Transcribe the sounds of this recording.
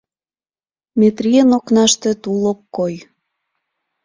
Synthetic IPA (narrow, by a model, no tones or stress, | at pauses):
met̪rʲienoknɑʃt̪ĕt̪ulokːoj